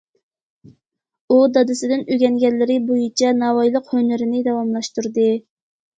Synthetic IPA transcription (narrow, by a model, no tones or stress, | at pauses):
ud̪ɑd̪ɨsɪd̪ɪnøɡʲɛŋɡʲɛlːɪɾɪbojit͡ʃʰɛnɑwɑjlˠəqhønɪɾɪnɪd̪ɑwɑmlˠɑʃt̪uɾd̪ɨ